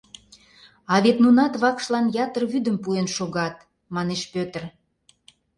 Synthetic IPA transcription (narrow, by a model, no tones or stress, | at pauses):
ɑβet̪nunɑt̪βɑkʃlɑnjɑt̪ərβyd̪əmpuenʃoɣɑt̪̚ | mɑneʃpøt̪ə̆r